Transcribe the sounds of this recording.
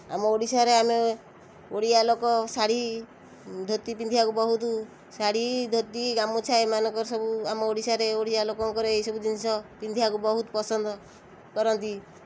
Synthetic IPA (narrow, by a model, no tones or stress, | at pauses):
a̰mɔoɽisaɾeame | oɽialokɔsaɽ̤i | d̪ʱot̪ipind̪ʱiakubɔɦut̪ | saɽ̤id̪ʱot̪iɡamɔt͡ʃʰaemanɔŋkɔɾsɔbuamɔoɽisaɾeoɽijalokɔŋkɔɾɔejsɔbud͡ʒinsɔpind̪ʱiakubɔɦut̪pɔsɔnd̪ɔ | kɔɾɔnt̪i